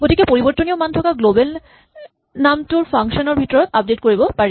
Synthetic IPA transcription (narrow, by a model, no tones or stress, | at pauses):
ɡotikepoɾibɔɾt̪ːoniomand̪ʰʱɔkaɡlobel | namtuɾfaŋʃonoɾbʱit̪ɔɾɔt̪ap̚detkoɹibopaɾi